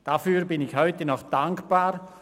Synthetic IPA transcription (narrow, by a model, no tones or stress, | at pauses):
d̥afyːɾbɪnɪçhɔʏtənɔχd̥aŋkb̥aːɾ